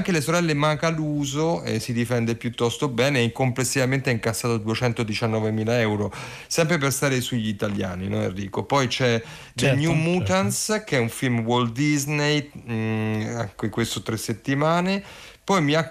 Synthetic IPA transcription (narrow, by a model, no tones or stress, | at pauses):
ŋkelesoɾɛlːemaŋkaluːzoḛsid̪ifɛnd̪epjut̪ːɔst̪obɛːneɛikomplesːivament̪eɛiŋkasːaːt̪od̪uet͡ʃɛnt̪od̪it͡ʃanːɔːvemiːlaɛwɾo | sɛmp̬ɾep̬erst̪aːɾesuʎːit̪alja̰ːnḭnɔ̰nɛ̰rːiːkopɔjt͡ʃɛ | d̪eɲjumuːt̪anskeɛuɱfilmwold̪iznej | aŋkekwest̪ot̪ɾesːet̪ːimaːne | pɔjmia